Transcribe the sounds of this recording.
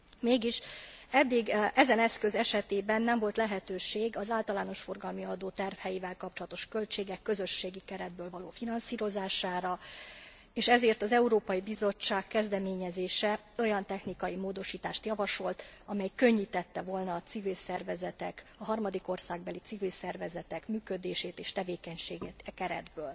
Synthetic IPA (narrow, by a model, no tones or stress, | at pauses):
meːɡiʃɛd̪ːiɡɛzɛnɛskø̞zɛʃɛt̪eːbɛnːɛɱvo̞lt̪lɛɦɛt̪øːʃeːɡɒzaːlt̪ɒlaːno̞ʃfo̞rɡɒlmiɒd̪oːt̪ɛrfhɛjivɛlkɒp̚t͡ʃolɒt̪o̞ʃkø̞lt͡ʃeːɡɛkːø̞zø̞ʃːeːɡikɛɾɛd̪̚bøːlvɒloːfinɒnsiːɾo̞zaːʃaːɾɒ | eːʃɛzeːrt̪ɒzɛuɾoːpɒjibizo̞t͡ʃːaːkːɛzd̪ɛmeːɲɛzeːʃɛ | o̞jɒnt̪ɛxnikɒjimoːd̪o̞ʃiːt̪aːʃt̪jɒvɒʃo̞lt̪ɒmɛjkø̞ɲːit̪ɛt̪ːɛvo̞lnɒːt̪sivilsɛrvɛzɛt̪ɛkɒɦɒrmɒd̪iko̞rsaːɡbɛlit̪sivilsɛrvɛzɛt̪ɛkmyːkø̞d̪eːʃeːt̪eːʃt̪ɛveːkɛɲʃeːɡɛt̪kɛɾɛ̰d̪bøːl